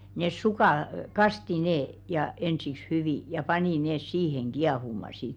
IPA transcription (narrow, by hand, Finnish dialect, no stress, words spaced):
nes sukɑˑ kɑsti neː jɑ ensiks hyʋiˑ jɑ pɑniˑ neːs siːheŋ ɡ̊iɑhumɑ sit